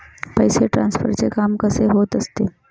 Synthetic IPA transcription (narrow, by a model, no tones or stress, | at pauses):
pəjseʈɾãnsfə̰ɾt͡sekamkəseɦoːt̪əst̪e